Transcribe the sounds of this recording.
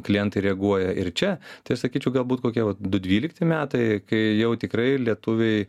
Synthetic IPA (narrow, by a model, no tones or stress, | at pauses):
klʲɪjɛnt̪ɐɪɾʲɛɐɡuɔjɛɪrt͡ʃʲɛt̪ɐɪɐʃsɐkʲiːt͡ʃʲɛʊɡɐlˠbuːt̪koːkʲiɛʋɐt̪d̪ʊd̪ʲʋʲiːlʲɪkt̪ʲɪmʲæːt̪ɐɪkɐɪjɛʊt̪ʲɪkɾɐɪlʲiɛt̪ʊʋʲɛɪ